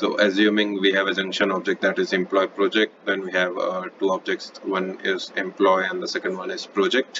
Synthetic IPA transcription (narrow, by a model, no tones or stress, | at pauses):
so̰ːʔəzjũːmɪ̃ŋʋiːɦɛʋəd͡ʒʌ̃ŋkʃə̃nɔb̚d͡ʒɛk̚ʈ̚d̪æʈɪzɛ̃mplɔːɪpɾɔːd͡ʒek̚ʈd̪ɛ̃nʋiɦɛʋʈuːɔːb̚d͡ʒek̚ʈsʋʌ̃nɪzɪ̃mplɔːɪɛ̃nd̪əsɛkə̃ɳɖʋʌ̃nɪzpɾɔːd͡ʒek̚ʈ